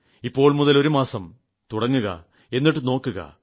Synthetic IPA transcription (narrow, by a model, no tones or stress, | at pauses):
ipːo̞ːɭmuðɐlo̞ɾumaːsɐm | t̪uɽɐŋːuɣɐ̰ | e̞nːiʈːɨno̞ːkːuɣɐ̰